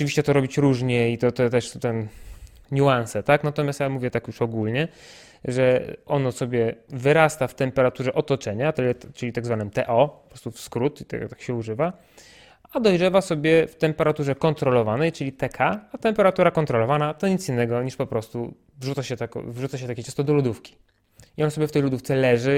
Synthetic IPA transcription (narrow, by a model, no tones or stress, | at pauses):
ɔt͡ʃɨvʲiɕt͡ɕɛt̪ɔɾɔbʲit͡ɕɾuʐɲɛit̪ɔt̪ɔt̪ɛʂt̪ɛn | ɲuansɛt̪aknat̪ɔmʲjast̪jamuvʲjɛt̪akjuʂɔɡulɲɛ | ʐɛɔnɔsɔbʲjɛvɘɾast̪aft̪ɛmpɛɾat̪uʐɛʔɔt̪ɔt͡ʂɛɲat̪ɛlt͡ʂɘlʲit̪aɡzvanɘmt̪ɛʔɔpɔpɾɔst̪ufskɾut̪it̪ɛ̰t̪ḁkɕɛuʐɘva | ad̪ɔjʐɛvasɔbʲjɛft̪ɛmpɛɾat̪uʐɛkɔnt̪ɾɔlɔvanɛjt͡ʂɘlʲit̪ɛkʰaat̪ɛmpɛɾat̪uɾakɔnt̪ɾɔlɔvanat̪ɔɲit̪sinːɛɡɔɲiʂpɔpɾɔst̪u | vʐut̪saɕɛt̪akɔ̰vʐut̪saɕɛt̪akʲɛt͡ʃɛ̃st̪ɔd̪ɔlud̪ufkʲi̥ | iɔnsɔbʲjɛft̪ɛjlud̪uft̪sɛlɛʐɘ